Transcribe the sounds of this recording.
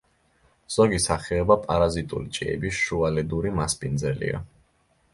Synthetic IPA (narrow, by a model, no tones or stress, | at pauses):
z̥ɔɡisaχɛɔbapʼaɾazit̪ʼṵlit͡ʃʼḭɛ̰bisʃualɛd̪uɾimaspʼind̪zɛlḭa̰